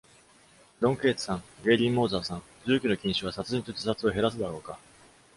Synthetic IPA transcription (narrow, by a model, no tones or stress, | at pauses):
ɾõ̞ŋke̞ːt͡sɨ̥sãŋɡe̞ɾʲĩmmo̞ːzaːsãŋ | d͡ʑɨːkʲino̞kʲĩɰ̃ɕɨβ̞asat͡sɨĩnt̪od͡ʑi̥sat͡sɨo̞ɦe̞ɾas̬ɨd̪aɾo̞ːka